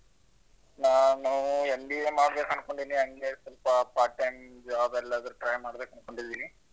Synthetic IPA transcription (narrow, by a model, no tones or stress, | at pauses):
naːnuembiemaːɽbeːkɐɳko̞ɳɖid̪iniɐŋɡe̞sɐlpɐpaːɾʈːɐjmd͡ʒaːbɛlːɐɐd̪ɐɾuʈɾɐjmaːɽb̪eːkɐnko̞ɳɖid̪ːiːni